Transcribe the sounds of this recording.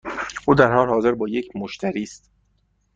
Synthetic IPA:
ʔuːd̪æɾhɒːlehɒːze̞ɾbɒːjecʰmoʃt̪ʰæɾiːst̪

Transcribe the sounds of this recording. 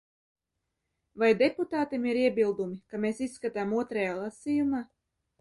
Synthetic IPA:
vajd̪eput̪aːt̪imiɾiɛbilˠd̪umikameːsisːkat̪aːmuɔt̪ɾɛjaːlˠasijumaː

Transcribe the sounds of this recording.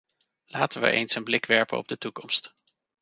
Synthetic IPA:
laːtənʋə̰ʔejnsənblɪkʋɛɹpə̰nɔ̰b̚dətukɔmst

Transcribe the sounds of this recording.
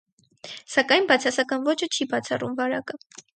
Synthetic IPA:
sɑkɑjnbɑt͡sʰɑsɑkɑnvɔt͡ʃʰət͡ʃʰibɑt͡sʰɑrumvɑɾɑkə

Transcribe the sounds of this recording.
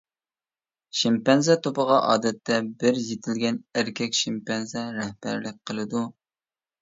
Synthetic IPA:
ʃimpɛnzɛt̪ʰopəʁɑʔɑ̰ːd̪ɛt̪ʰːɛbɪɾjet̪ʰɪlɡʲɛnæɾkʲʰɛkʲʃɪmpɛnzɛɾɛhbæ̰ɾlɪk̚ʲqʰəlˠɨd̪u

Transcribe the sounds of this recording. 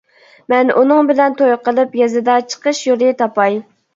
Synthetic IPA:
mɛnʔunɨŋbɪlɛnt̪ʰojqəlˠɨpjɛzɨd̪ɑt͡ʃʰə̥qəʃjoɾɨt̪ʰɑpɑj

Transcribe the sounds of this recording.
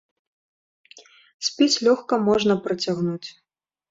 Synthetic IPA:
sʲpʲit͡sʲlʲɔxkɐmɔʐnɐpɾɐt͡sʲaɣnut͡sʲ

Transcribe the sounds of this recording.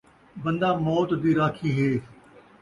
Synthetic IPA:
bə̃nd̪aːmɔːt̪d̪iːɾaːkʰiːɦeː

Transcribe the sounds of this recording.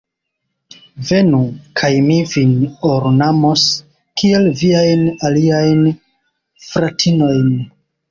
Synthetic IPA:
ve̞nukʰajmivinoɾnamo̞s | kie̞lviajnaliajn | fɾatʰino̞jn

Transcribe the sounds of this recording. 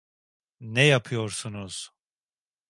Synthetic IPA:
nɛjapʰɯjoɾsunuz̥

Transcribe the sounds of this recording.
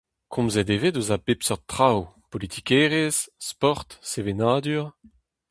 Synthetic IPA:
kʰɔ̃mzɛd̪evedozabepsɔʁ̚t̪ːχawpolit̪ʰikɛːʁezspɔʁt̪sevenaːd̪yʁ

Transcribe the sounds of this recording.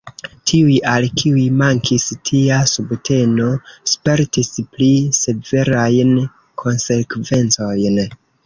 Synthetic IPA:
tʰiujʔalkʰiujmaŋkʰistʰiasubtʰe̞no̞spe̞ɾtisplise̞ve̞ɾajn | kʰo̞nse̞kve̞nt͡so̞jn

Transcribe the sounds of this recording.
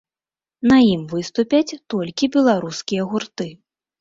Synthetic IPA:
nɐjimvɨst̪upʲɐt͡sʲt̪ɔlʲkʲibʲɛlˠaɾuskʲijɐɣurt̪ɨ

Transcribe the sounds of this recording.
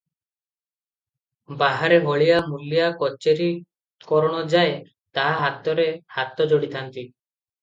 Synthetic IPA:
baɦaɾeɦɔɭijamuljakɔt͡ʃeɾi | kɔɾɔɽ̃ɔd͡ʒae | t̪aɦaɦat̪ɔɾehat̪ɔd͡ʒoɽit̪ʰant̪i

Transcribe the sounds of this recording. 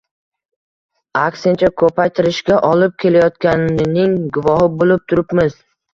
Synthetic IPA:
aksɪnt͡ʃʰakʰɵpajt̪ʰɪɾɪʃkʲaʔɒlɪp̚kʲʰe̞lajɒt̪kʲanɪɪnɪŋɡʊvɒɦɪbolɪp̚t̪ʰʊɾɪpmɪz

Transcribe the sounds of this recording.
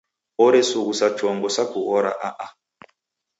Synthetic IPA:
ɔɾɛsuɣusat͡ʃɔŋɡɔsakuɣɔɾa̰ʔaʔa

